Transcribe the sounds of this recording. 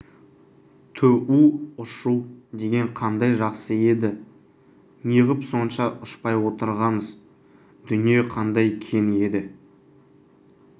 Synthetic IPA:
t̪ʰɵʔuʊʃud̪e̞ɡʲe̞ɴqʰɑnd̪ɑjʒɑqsəe̞d̪ɪ | nijəʁəpso̞nʃɑʔʊʃpɑjwo̞t̪əɾʁɑməz | d̪̥ʏnije̞qʰɑnd̪ɑjkʲʰe̞nɪe̞d̪ɪ

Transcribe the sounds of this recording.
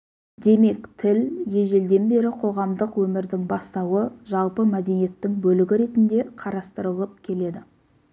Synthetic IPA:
d̪e̞me̞kt̪ʰɪlje̞ʒe̞ld̪e̞nbe̞ɾɪqʰo̞ʁɑmd̪əqwɵmɪɾd̪ɪŋbɑst̪ɑwəʒɑlˠpəmæd̪e̞nije̞t̪ːɪŋbɵlɪɡʲɪɾe̞t̪ɪnd̪e̞qʰɑɾɑst̪əɾəlˠəp̚kʲʰe̞le̞d̪ɪ

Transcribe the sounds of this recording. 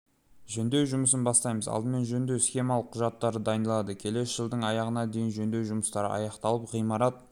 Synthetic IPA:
ʒɵnd̪e̞wʒʊməs̬ənbɑst̪ɑjməzɑ̰lˠd̪əme̞nʒɵnd̪e̞wsxʲe̞mɑlˠəqʰːʊʒɑt̪ːɑɾəd̪ɑjnd̪əlˠɑd̪əkʲʰe̞le̞sʒ̥əlˠd̪əɴɑjɑʁənɑd̪e̞jɪnʒɵnd̪e̞wʒʊməst̪ɑɾə̰ʔɑ̰jɑqt̪ɑlˠəpʁijmɑɾɑt̪̚

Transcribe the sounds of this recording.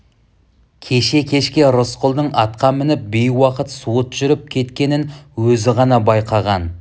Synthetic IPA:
kʲʰe̞ʃe̞kʲʰe̞ʃkʲe̞ɾosqʰʊlˠd̪əɴɑt̪qɑmɪnɪp̚bejwɑqət̪sot̪ʒ̥ʏɾɪp̚kʲʰe̞t̪kʲe̞nɪnwɵzɪʁɑnɑbɑjqʰɑʁɑn

